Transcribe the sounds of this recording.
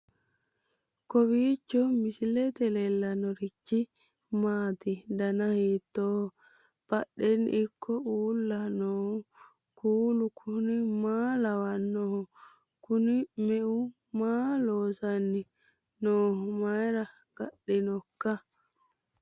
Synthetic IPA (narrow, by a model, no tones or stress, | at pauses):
kɔbiːt͡ʃːɔmɪsɪlɛt̪ɛlɛlːɐnɔɾɪt͡ʃːɪ | maːt̪ɪd̪ɐnɐhiːt̪ːoː | b̥ɐɗːɛn̰ːɪkʰːɔuːlːɐnoː | kuːlʊkʰʊnɪmaːlɐwɐnːɔhɔ | kʊnɪmɛʔʊ | maːloːsɐnːɪ | noːhɔmɐjɾɐ | ɡ̥ɐɗːɪnɔkːɐ